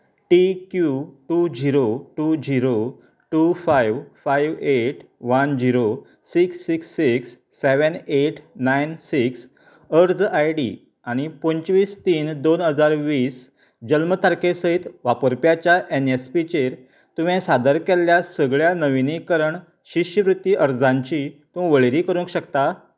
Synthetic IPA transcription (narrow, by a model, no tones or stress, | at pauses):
ʈikjuʈud͡ʑiɾoʈud͡ʑiɾo | ʈufajʋfajʋeʈʋənd͡ʑiɾo | siksːiksːiksː | eʋəneʈʰnajnsiks | əɾd͡zajɖḭ | aɽ̃ipoɲt͡ɕʋiːst̪iːnd̪onɦəd͡zaɾʋiːs | d͡ʑəlmət̪ʰaɾkesəɦit̪ʋapəɾpjat͡ɕjaʔenespit͡ɕeɾ | t̪uʋɛ̃sad̪əɾkeljasəɡɭjanəʋinikəɾəɳ | ɕiɕəʋɾut̪ːiʔəɾd͡zãɲt͡ɕit̪ũʋəɭeɾikəɾũkɕəkt̪a